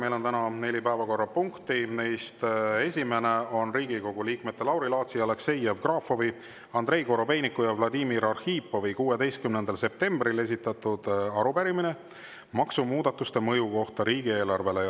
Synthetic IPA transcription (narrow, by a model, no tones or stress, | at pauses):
me̞jlo̞nt̪ænɑne̞lʲipæevɑko̞rːɑpuŋkt̪ine̞jst̪e̞sʲime̞neo̞nriːɡ̥iko̞ɡ̥uliːkmet̪ːe̞lɑwɾilɑːt̪siɑlekse̞jevkrɑːfo̞vi | ɑnd̪re̞jko̞ɾo̞be̞jnikːˑujɑvlɑd̪iːmiɾɑrhiːpːˑo̞vikuːe̞d̪e̞jst̪kymne̞nd̪̥ɑlse̞p̚t̪e̞mbrile̞s̬ʲit̪ːˑɑt̪ud̪̥ɑɾupæɾimine̞ | mɑksumuːd̪̥ɑt̪ːˑust̪e̞mɤjuko̞ht̪ɑɾiːɡ̥ie̞ːlɑrve̞le